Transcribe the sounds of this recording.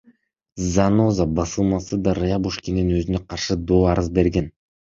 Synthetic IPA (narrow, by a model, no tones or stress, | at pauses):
zanozabɑsɯlˠmɑsɯd̪aɾɨjabuʃkʲininøzynøqɑɾʃɯd̪oːɑɾɯzbe̞ɾɡen